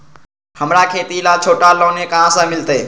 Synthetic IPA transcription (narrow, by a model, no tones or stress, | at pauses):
həmɾakʰeːt̪ilat͡ʃʰoːʈalɔ̃ːnekəɦãsə̃mɪlt̪eː